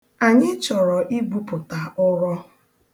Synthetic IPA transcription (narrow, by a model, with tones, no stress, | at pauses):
a˨ɲɪ˦t͡ʃɔ˨ɾɔ˨ʔi˦ɡ͡bu˦pʊ˨ta˨ʊ˦ɾɔ˦